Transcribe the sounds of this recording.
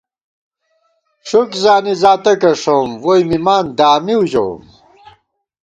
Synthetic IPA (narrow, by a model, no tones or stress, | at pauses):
ʂukzaːnizaːt̪ɐkɐʂomwojmimaːnd̪aːmiud͡ʑɐ̰w̰m